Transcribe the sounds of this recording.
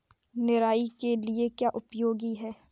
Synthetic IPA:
nɪɾaːikeliekjaːʔʊpjoːɡiɦɛː

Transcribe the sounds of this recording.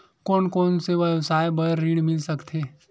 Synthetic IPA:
koːnkoːnseʋɐwsaːjbəɾːiːɽmɪlsɐkt̪ʰeː

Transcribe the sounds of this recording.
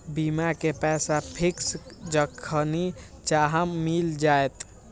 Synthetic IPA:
bimakepɛsapʰiksd͡ʒəkʰːəni | t͡ʃaɦəmːild͡ʒaet̪

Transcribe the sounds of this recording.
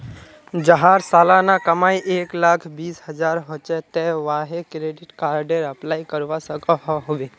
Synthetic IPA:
d͡ʒəɦãɾsaːlanakəmaːiʔeːklaːkʰbiːsɦəd͡ʒaːɾɦot͡ʃɛt̪ɛʋaːɦekɾeːɖɪʈkaːɾɖeɾəplaːjkəɾʋasəkɔɦɔɦoʋe

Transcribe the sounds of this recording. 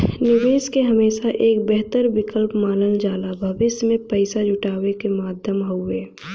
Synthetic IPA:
nɪʋeːskeɦɐmeːʃaʔeːkbɛɦt̪əɾbɪkəlpmaːləld͡ʒaːlabʱəbɪsmẽpəɪsad͡ʒʊʈaːʋekemaːd̪ʱjəmɦoʊeː

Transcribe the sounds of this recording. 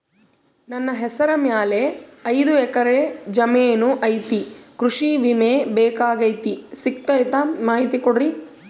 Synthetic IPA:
nɐnːɐɦɛsɐɾɐmjaːleɐjd̪uɛkɐɾed͡ʒɐmeːnuʔɐjt̪ikɾuʂiʋimebɛːkaːɡɐjt̪isikt̪ɐjt̪amaːɦit̪ikoɽɾi

